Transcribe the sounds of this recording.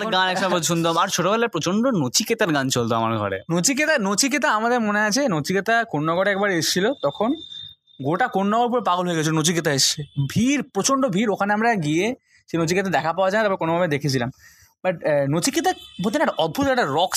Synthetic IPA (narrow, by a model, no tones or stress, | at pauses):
ɡanɛkʃaoʃund̪omaɾt͡ɕʰoʈobɛlaɾpɾot͡ɕoɳɖonot͡ɕʰiket̪aɾɡant͡ɕolt̪oa̰ma̰ɾɡʱɔ̰ɾḛnot͡ɕiket̪anot͡ɕʰik̬et̪aamad̪eɾmoneat͡ɕʰenot͡ɕʰiket̪akonːɔɡoɽɛk̚baɾeeʃt͡ɕʰilot̪ɔkʰon | ɡoʈakonːɔɡoɾp̬uɾepaɡolɦoeɡet͡ɕʰilonot͡ɕiket̪aeʃt͡ɕʰebʱiɾpɾot͡ɕoɳɖobʱiɾokʰaneamɾaɡie | ʃenot͡ɕiket̪ad̪ɛkʰapaoad͡ʑant̪ɔpɾekonobʱabed̪ekʰet͡ɕʰilam | baʈnot͡ɕʰiket̪abʱot̪inaɾɔd̪̚bʱut̪ɛk̚ʈaɾɔk